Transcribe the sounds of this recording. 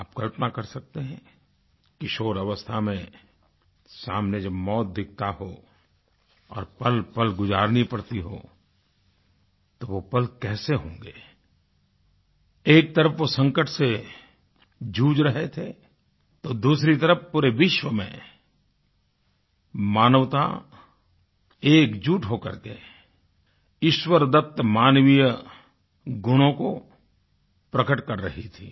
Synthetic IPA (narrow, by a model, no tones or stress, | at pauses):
aːp̚kɐlpənakɐɾsɐk̚t̪eɦɛ̃ | kɪʃoːɾɐʋəst̪ʰamẽ | saːmned͡ʒɐbmɔːt̪̚d̪ɪk̚ʰt̪aɦo | ɔ̰ːɾpɐlpɐlɡʊd͡ʒaːɾnipɐɽt̪iɦo̰ | t̪oʋopɐlkɛːseɦõːŋɡeː | eːk̚t̪ɐɾəfʋosə̃ŋkəʈʰse | d͡ʒuːd͡ʒɾɐɦet̪ʰe | t̪oːd̪uːsɾit̪ɐɾəfpuːɾeʋɪʃwəmḛ̃ | maːnəʋt̪a̰ | eːkd͡ʒuːʈɦokɐ̰ɾkḛ | ɪʃwəɾd̪ət̪ːmaːnʋijə | ɡʊɽ̃õko | pɾɐkəʈkɐɾːɐ̰ɦit̪ʰḭː